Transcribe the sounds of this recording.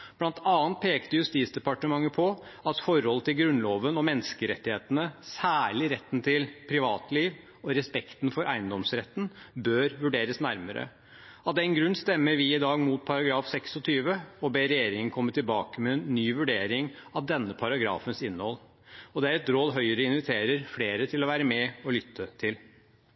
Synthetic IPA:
b̥lɑnt̪ʰɑːnt̪̚pʰeːkt̪əjʉst̪iːt̪sd̪ɛpɑʈəmɑŋːəpʰɔɑt̪fɔɾhɔlət̪ɪlɡɾʉnloːʋənɔmɛnːskəɾɛt̪ːɪheːt̪ənəsæːɭɪɾɛt̪ːnt̪ʰɪlpʰɾɪʋɑːt̪liːʋ | ɔɾɛspɛkt̪n̩fɔɾʔæɪənd̪ɔmsɾɛt̪ːn̩bøːɾʋʉɖeːɾəsnæɾməɾə̰ | ɑt̪̚d̪ɛnɡɾʉnːst̪ɛmːəɾʋɪɪd̪ɑːɡmuːt̪̚pʰɑɾɑɡɾɑːfsɛksɔt̪ʰyːʋəɔbeːɾɛjeːɾɪŋənkʰɔmːət̪ɪlbɑːkəmɛːnːyːʋʉɖeːɾɪŋɑt̪̚d̪ɛnːəpʰɑɾɑɡɾɑ̰ːfənsɪnːəhɔl | ɔd̪ɛæɾɛt̪ɾoːd̪ɦœʏəɾəɪnʋɪt̪ʰeːɾəɾfleːɾət̪ʰɪlɔʋæːɾəmɛɔlʏt̪ʰːət̪ʰɪl

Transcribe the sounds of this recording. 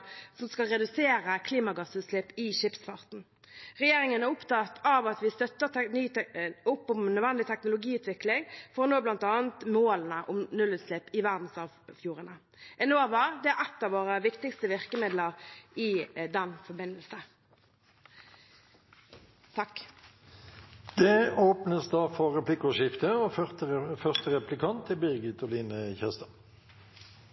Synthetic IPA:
sɔmskɑlʁɛd̪ʉseːɾəkʰliːmɑɡɑsʉːt̪slɛpɪʃɪpsfɑʁt̪n̩ | ʁɛjeːʁɪŋənæʁʊpt̪ʰɑt̪ʰɑʋɑt̪ʋɪst̪œt̪ːənyːʊpːʊmnœd̪ʋɛnd̪ɪt̪ʰɛknʊlʊɡiːʉːt̪ʰʋɪklɪŋfɔʁɔnoːblɑnt̪ɑːnt̪moːln̩əʔʊmnʉlːʉːt̪slɛpɪʋæʁd̪n̩sɑʋfjuːʁənə | ʔɛnoːɑʋɑːʁd̪ɛæʁɛt̪ːɑːʋoːʁəʋɪkt̪ɪkst̪əʋɪʁkəmɪd̪ləʁɪd̪ɛnfɔbɪnəlsə | t̪ʰɑkː | d̪̥ɛoːpnəsd̪ɑːfɔʁɛpʰlɪkʃɪft̪əɔt̪əfœʁst̪əʁɛplɪkʰɑnt̪ʰːɪbɪɡɪt̪ɔliːnəçɛst̪ɑ

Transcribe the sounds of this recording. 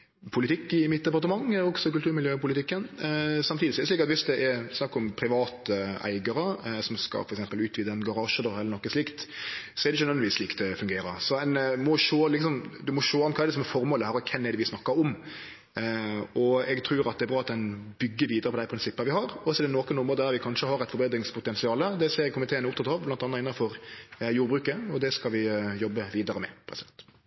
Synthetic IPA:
pʰʊlɪt̪ʰɪkːɪmɪt̪̚ːd̪ɛpɑɾt̪əmɑŋːɔksɔkʉlt̪ʰʉːɾmɪljøːpʊlɪt̪ɪkːənsɑmt̪ʰiːd̪ɪsɔɛɾɛsliːkɑt̪ʋɪsd̪ɛʔɛɾsnɑkːəɔmpʰɾɪʋɑːt̪əæ̰ɪɡəɾəsɔmskɑ̰fɔɾɛksɛmpəlʉːt̪ʋiːd̪əɛnɡɑɾɑːʃəd̪ɾhɛlːɾnɔkːəslɪkt̪sɔɛɾɛɪçənœʋɛnʋiːsliːkt̪ʰɛfʉŋɡeːɾəsɔæɪnmɔʃoːlɪksɔmd̪ʉmɔʃoːɔnkʰɑːɛɾd̪ɛsɔmɛfɔɾmoːləhæːɾɔkʰɛmːɛɖ̪ɛʋɪsnɑkːɑɾɔm | ɔɛɡt̪ʰɾʉːɾɑt̪̚d̪ɛɾbɾɑːɑt̪̚d̪ɛnbʏɡːəʋiːd̪əɾəpʰɔd̪æɪpɾɪnsɪpːəʋɪhɑɾɔsɔd̪ɛnoːkənɔmod̪æɾʋɪkʰɑnʃəhɑɾɛt̪fɔɾbeːd̪ɾɪŋspʰʊt̪ɛnsɪɑːləd̪ɛseːɾkʰʊmɪt̪eːənəʊpt̪ʰɑt̪ɑːʋblɑnt̪ɑnːɑɪnːɑfɔɾjuːɾbɾʉːkəɔd̪ɛskɑlʋɪjɔbːəʋiːd̪əɾəmɛ̰pʰɾɛst̪

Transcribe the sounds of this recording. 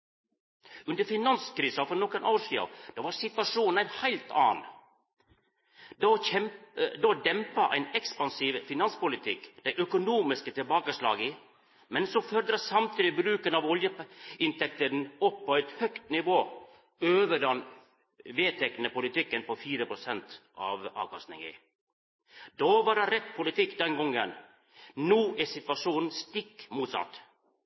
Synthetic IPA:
ʉnd̪əɾfɪnɑnskɾiːsɑfɔɾnɔkənʔoːʂiːɑ̰d̪̥ɑʋɑɾsɪt̪ʋɑʂuːnnæɪnhæɪlt̪ʰɑ̰ːn | d̪oɛd̪oːd̪ɛmpɑʔæ̰ɪnɛkspɑnsiːʋfɪnɑnspʊlɪt̪ʰɪkːd̪̥æɪʔœkʊnuːmɪskət̪ʰɪlbɑːkəʂlɑ̰ːɡɪ | mɛnsɔfœɾd̪ɾɑsɑmt̪ʰiːd̪ɪbɾʉːkənɑʋɔljəɪnt̪ʰɛk̚t̪əɾnɔpːɔɛɪt̪hœkt̪nɪʋoː | øːʋəɖɑn | ʋeːt̪ʰɛknəpʊlɪt̪ɪkːənpɔfiːɾəpɾʊsɛnt̪ʔɑ̰ʋɑ̰ːʋkʰɑst̪nɪ̰ŋɛ̰ | d̪oːʋɑɾdɑɾɛt̪ːpʰʊlɪt̪ʰɪkːd̪ɛnɡɔŋːə̰n | nuːʔɛsɪt̪ʋɑʂuːn̩st̪ɪkːmuːt̪sɑ̰t̪

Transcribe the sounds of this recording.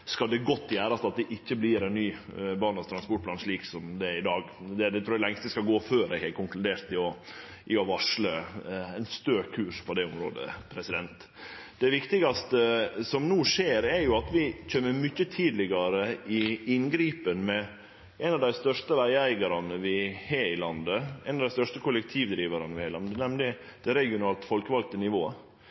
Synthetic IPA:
skɑld̪ɛɡɔt̪ːjæːɾɑsɑt̪̚d̪ɛʔɪçːəblɪɾɛnːyːbɑːnɑst̪ʰɾɑnspɔʈ̚pʰlɑːnʂɭiːksɔmd̪ɛɪd̪ɑːɡd̪ɛd̪ɛt̪ɾuːælɛŋst̪əskɑlɡoːføːɾɛ̰ɡhæɾkʰʊŋklʉd̪eːɾt̪ɪɔ | ʔɪɔʋɑʂləɛɪnst̪øːkʰʉːʂpʰɔd̪ɛʊmɾo̰ːd̪ə̰pʰɾɛsɪd̪ɛnt̪ | d̪ɛʋɪkt̪ɪɡɑst̪əsɔmnuːʂeːɾæɾjʊɑt̪ʋɪc͡çøːməmʏçət̪ʰiːd̪lɪɡɑɾəɪɪnɡɾiːpənmɛ | ɛnɑʋd̪æɪst̪œʂʈəʋæɪæɪɡɑɾɑnəʋɪheːɪlɑnd̪əɛɪnɑʋd̪æɪst̪œʂʈəkʰʊlɛk̚t̪ʰiːʋd̪ɾiːʋɑɾɑnəʋɪhæɪlɑnd̪ənɛmlɪd̪̥ɛɾɛɡɪʊnɑːlt̪fɔlkəʋɑl̚t̪ənɪʋoːə

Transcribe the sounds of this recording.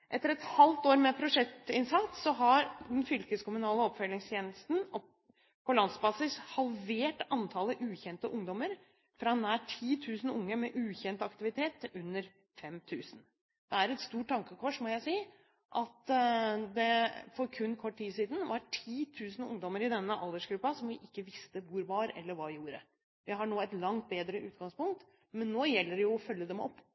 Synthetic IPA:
ʔɛt̪ːəɾɛt̪hɑlt̪oːɾmɛpʰɾʊʂɛkt̪ɪnsɑt̪sɔɦɑɾd̪ɛnfʏlkəskʊmʉnɑːləɔpfœlɪŋst̪ʰjeːnəst̪n̩ɔ | pʰɔlɑnd̪sbɑːsɪshɑlʋeːʈɑnt̪ʰɑləʔʉːçɛnt̪əʔʊŋd̪ɔməɾ | fɾɑɛnæʈʰiːt̪ʰʉːsən̩ʊŋːəmɛʔʉːçɛnt̪ɑkt̪ɪʋɪt̪ʰeːt̪ʉnːəɾ | fɛmt̪ʰʉːsən̩ | d̪̥ɛæɾɛt̪st̪uːʈ̚ʰtːɑŋkəkʰɔʂmɔjæɪsiː | ʔɑt̪ | d̪ɛfɔɾkʰʉnːkʰɔʈːʈːiːsiːd̪ən̩ʋɑɾʈʰiːt̪ʰʉːsn̩ʊ̰ŋd̪ɔməɾɪd̪ɛnːəʔɑlˠd̪əʂɡɾʉpːɑsɔmʋɪʔɪkːəʋɪst̪əʋʊɾʋɑɾɛ̰lːəɾʋɑjuːɾə | ʋɪɦɑɳoːɛt̪lɑŋt̪̚beːd̪ɾəʔʉːt̪ɡɑŋspʊŋkt̪ | mɛnːoːjɛlːəɖɛjʊɔfœlːəd̪ɛmɔ̰pː

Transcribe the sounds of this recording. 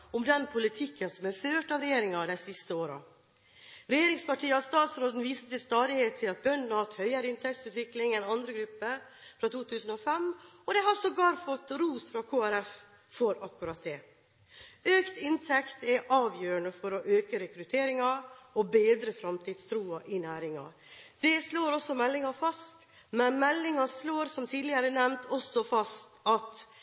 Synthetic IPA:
ɔmd̪ɛnpʰʊlɪt̪ʰɪkːənsɔmæɾføːʈɑːʋɾɛjeːɾɪŋɑd̪æɪsɪst̪əoːɾɑ̰ | ɾɛjeːɾɪŋspɑʈʰiːəɑɾst̪ɑːt̪sɾoːd̪n̩ʋiːsət̪ɪst̪ɑːd̪ɪheːt̪ʰːɪlɑt̪̚bœɳn̩hɑt̪hœʏəɾɪnt̪ʰɛk̚t̪sʉːt̪ʋɪklɪŋɛnɑnd̪ɾəɡɾʉpːəɾ | fɾɑt̪ʰuːt̪ʰʉːsən̩ɔfɛmɔd̪ɛhɑɾsɔɡɑːɾfɔt̪ːɾuːsfɾɑkʰoːæɾɛf | fɔɾɑkːʉɾɑt̪̚d̪ɛː | øːkt̪ɪnt̪ʰɛkt̪ɛʔɑːʋjøːɾəɳəfɔɾɔʔøːkəɾɛkɾʉt̪ʰeːɾɪŋɑɾɔbeːd̪ɾəfɾɑmt̪ʰiːd̪st̪ʰɾuːɑʔɪnæːɾɪŋɑ̰ | d̪̥ɛsloːɾɔsːɔmɛlːɪŋɑfɑst̪ | mɛnmɛlːɪŋɑsloːɾsɔmt̪ʰiːd̪lɪəɾəɛnɛmnt̪ʰɔsɔfɑst̪ɑt̪

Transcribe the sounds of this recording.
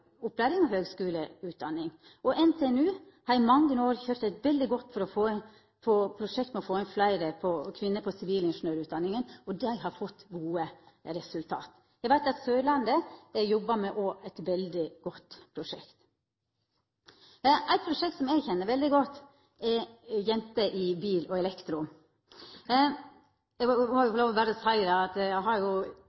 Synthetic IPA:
ʊplæɪɾɪŋɔɦøːɡskʉːləʉːt̪̚d̪ɑnːɪŋ | ɔʔɛnt̪ʰeːɛnʉː | hɑɾɪmɑŋːənəoːɾçøːɾt̪æɪt̪ʋɛld̪ɪɡɔt̪ːfɔɾɔfoːn | foːpʰɾʊʂɛkt̪mɛɔfoːæɪnflæɪɾəpʰɔkʰʋɪnːəpʰɔsɪʋiːlɪnʂʊn̩øːɾʉːt̪d̪ɑnːɪŋənɔd̪ɛɪɦɑɾfɔt̪ːɡuːəɾɛsʉlt̪ʰɑ̰ːt̪ | jɛɡʋæɪt̪ɑt̪søːlɑnd̪əjɔbːəmɛʔɔʔɛɪt̪ʋɛld̪ɪɡ̥ɔt̪ːpʰɾʊʂɛ̰kt̪ | ʔæɪt̪̚pʰɾʊʂɛk̚t̪sɔmæɪɡçɛnːəɾʋɛld̪ɪɡɔt̪ː | ɛjɛnt̪əʔɪbiːlɔɛlɛkt̪ɾʊ | ɛɪɡmɔjʊloːʋɔbæːɾəɔsæɪɾɑɑt̪jæɦɑɾjʊ

